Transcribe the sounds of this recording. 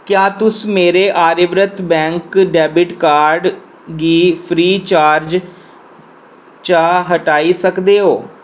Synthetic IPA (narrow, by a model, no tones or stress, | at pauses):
kjaːt̪ʊsmeːɾeːʔaːɾɪʋɾət̪bɛ̃ːŋkɖɛːbɪʈkaːɾɖ | ɡiːpʰɾiːt͡ʃaːɾd͡ʒ | t͡ʃaːɦəʈaːiːsəkd̪eːɦoː